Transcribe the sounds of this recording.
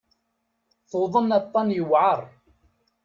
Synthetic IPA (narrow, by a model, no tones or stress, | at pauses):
θoðˤənɑt̪ˤːɑnjəwʕəɾˤ